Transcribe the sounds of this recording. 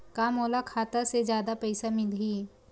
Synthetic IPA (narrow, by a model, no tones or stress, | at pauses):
kaːmoːlakʰaːt̪əɾsed͡ʒjaːd̪apɛɪsamɪlɦiː